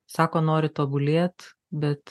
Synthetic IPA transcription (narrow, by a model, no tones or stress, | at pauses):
sɑːkoːnoːɾʲɪt̪oːbʊlʲeːt̪ | bʲɛt̪